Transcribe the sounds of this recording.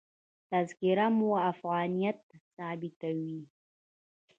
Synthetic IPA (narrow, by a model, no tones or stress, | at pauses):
tʰazkʲʼiɾamwaːfɣanijat̚ʼsaːbitʰaɥi